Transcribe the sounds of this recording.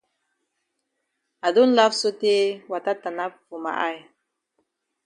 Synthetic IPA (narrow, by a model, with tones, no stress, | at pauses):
a˨du˦n̩˦la˦fsu˦ti˦wa˨ta˦ta˨na˦pfu˨ma̰˨ʔa̰˦˨j